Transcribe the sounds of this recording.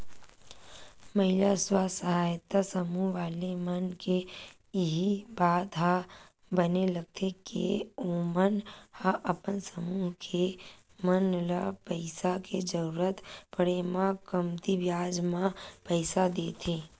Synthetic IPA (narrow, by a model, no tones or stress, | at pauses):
mɐɦɪlaswasəɦaːjt̪asəmuːɦʋaːlemənke | ɦibaːd̪ɦa | bənelɐɡ̚t̪ʰekḛomənhãʔəpənsəmuːɦkʰe | mənlapəɪsaked͡ʒəɾuːɾət̪pəɽemãkəmt̪ibjaːd͡ʒmãpəɪsad̪eːt̪ʰeː